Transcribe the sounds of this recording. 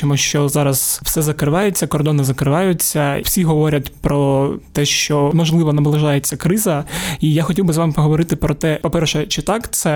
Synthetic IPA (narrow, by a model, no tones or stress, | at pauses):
t͡ʃɔmuʃt͡ʃɔzɑɾɐz̥wsɛzɐkɾɪʋɑjet͡sʲːɐkɔrd̪ɔnɪzɐkɾɪʋɑjʊt͡sʲːɐwsʲiɦɔʋɔɾʲɐtʲpɾɔt̪ɛʃt͡ʃɔmɔʒlˠɪʋɔnɐbɔlˠɐʒɑjet͡sʲːɐkɾɪzɐijaxɔtʲiwbɪzʋɑmɪpɔɦɔʋɔɾɪt̪ɪpɾɔt̪ɛpɔpɛrʃɛt͡ʃɪt̪ɑkt̪sɛ